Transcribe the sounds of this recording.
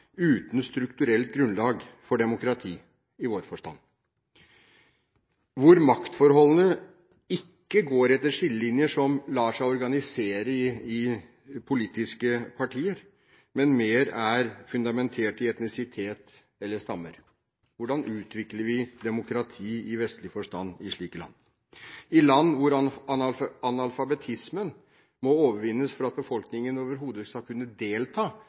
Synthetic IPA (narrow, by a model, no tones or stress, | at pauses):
ʉːt̪n̩st̪ɾʉkt̪ʉɾɛlt̪̚ɡɾʉnlɑːɡfɔɖɛmʊkɾɑt̪ʰiː | ɪʋoːɾfɔʂʈɑ̰nː | ʋʊɾmɑkt̪fɔɾhɔlːənə | ɪkːəɡoːɾɛt̪ːəɾʂɪlːəlɪnjəʂɔmlɑːʂæɪɔɾɡɑnɪseːɾəɪɪ | pʰʊliːt̪ɪskəpʰɑʈʰiːəɾ | mɛnmeːɾæɾfʉnd̪ɑmɛnt̪ʰɛːlʈ̪ɪɛt̪nɪsɪt̪ʰeːt̪ | ɛlːəʂt̪ɑmːəɾ | ʋʊɖɑnʔʉːt̪ʰʋɪkləɾʋɪd̪ɛmʊkɾɑt̪ʰiːɪʋɛst̪lɪfɔʂt̪ɑnːɪʂɭiːkəlɑ̰nː | ɪlɑnːʋʊɾ | ɑnɑlfɑbɛt̪ʰɪsmən | mɔoːʋəɾʋɪnːəsfɔɾɑt̪̚bəfɔlknɪŋənoːʋəɾɦuːd̪əskɑlkʰʉnːəd̪eːlt̪ʰɑː